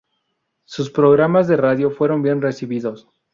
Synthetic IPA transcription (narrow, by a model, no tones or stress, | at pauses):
suspɾo̞ɣɾamazðe̞raðjo̞fwe̞ɾo̞mbje̞nre̞siβiðo̞s